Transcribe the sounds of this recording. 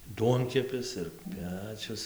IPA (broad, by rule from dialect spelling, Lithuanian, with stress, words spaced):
ˈduɔŋʲkʲɛpʲɪs ɪr ˈpʲæːt͡ʃʲʊs